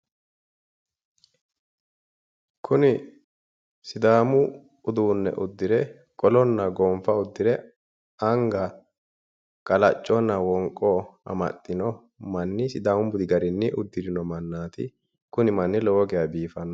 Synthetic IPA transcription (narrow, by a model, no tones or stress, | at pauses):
kʰʊnɪ | sɪd̪aːmʊ | ʊd̪uːnːɛ̰ʔʊd̪ːɪɾɛ | kʼɔlɔnːɐɡɔmfɐʊd̪ːɪɾɛ | ɐŋɡɐ | kʼɐlɐt͡ʃʼːɔnːɐwɔŋkʼːɔɐ̰mɐ̰t̪ʼːɪnɔ | mɐnːɪsɪd̪aːmʊbʊd̪ɪɡɐɾɪnːɪʔʊd̪ːɪdɪnɔmɐnːaːt̪ɪ̰ | kʊnɪmɐnːɪlɔwɔɡɪjɐbiːfɐnːɔ